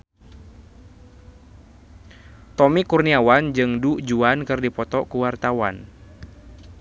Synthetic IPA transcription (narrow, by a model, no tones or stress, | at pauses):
t̪ɔmikurniawand͡ʒɨŋduʔd͡ʒuankɨrdipɔt̪ɔkuwart̪awan